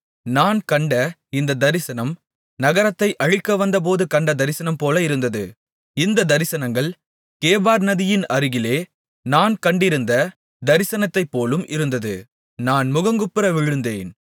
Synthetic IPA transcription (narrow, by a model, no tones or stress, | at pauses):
naːnkɐɳɖɐɪnd̪ɐd̪ɐɾɪsɐnɐm | nɐɣɐɾɐt̪ːɐɪʔɐɻɪkːɐʋɐnd̪ɐp̬oːðɯkɐɳɖɐd̪ɐɾɪsɐnɐmpoːlɐɪɾɯnd̪ɐðɯ | ɪnd̪ɐd̪ɐɾɪsɐnɐŋɡɐɭ | keːbaːɾnɐðɪjɪnɐɾɯɣɪleː | naːnkɐɳɖɪɾɯnd̪ɐ | d̪ɐɾɪsɐnɐt̪ːɐɪpːoːlɯmʔɪɾɯnd̪ɐðɯ | naːnmʊɣɐŋɡɯpːɪɾɐʋɪɻɯnd̪eːn